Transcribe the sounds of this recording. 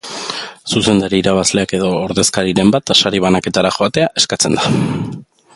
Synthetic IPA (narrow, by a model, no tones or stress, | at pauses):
suse̞nd̪aɾiiɾaβ̞azle̞ake̞ðo̞ːɾðe̞skaɾiɾe̞mbat̪ʃaɾiβ̞anake̞t̪aɾaxo̞at̪e̞aʔe̞skat͡se̞nd̪a